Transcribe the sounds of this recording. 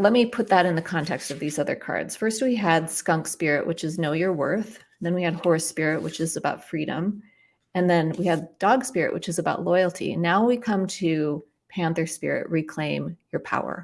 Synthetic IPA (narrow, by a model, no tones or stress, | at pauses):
lɛt̚mipʰʊt̪̚ðəɾɨ̃nðɨkʰɑ̃ntʰɛkstʌvðizʌðə̰˞kʰɑ̰ɹdz̥fɜ˞st̚wiɨdskʌ̃ŋkspɪɹɨʔwʔɨt͡ʃɨznoʊjə˞wɜ̰˞θ | n̩ðɨ̃nwiɨd̚hɔɹspɪɹɨʔ̚wɨt͡ʃɨzɨbaʊtfɹiɾə̰̃m | ɨ̃nðɨ̃nwiɨddɔɡspɪɹɨ̰ʔwɨ̰t͡ʃɨzəbaʊtˡlɔɪl̩ˠtʰḭnaʊwikʰʌ̃mtʰʉ | pʰæ̃nθə˞spɪ̰ɹɪ̰ʔ̚ɹikʰl̥ẽɪ̃mjə˞pʰa̰ʊə̰˞